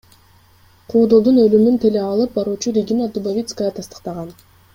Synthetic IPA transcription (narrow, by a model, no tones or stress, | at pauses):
qʰuːd̪olˠd̪unølymynt̪ʰe̞leɑlˠɯp̚bɑɾuːt͡ʃuɾʲeɡʲinad̪ubavʲit̪skəjɑt̪ʰɑst̪ə̥qt̪ɑʁɑn